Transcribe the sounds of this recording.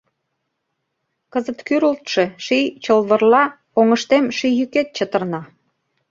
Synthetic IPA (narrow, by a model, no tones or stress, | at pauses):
kəzət̪kyɾult̪ʃeʃit͡ɕəlβərlɑ | oŋəʃt̪emʃijyket̪̚t͡ɕət̪ərnɑ